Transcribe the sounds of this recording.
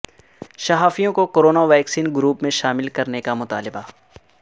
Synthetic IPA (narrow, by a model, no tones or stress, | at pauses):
ʃɐɦaːfijõkokoɾoːnaʋɛːksiːnɡʊɾuːpmẽʃaːmɪlkɐɾnekamʊt̪a̰ːlɪba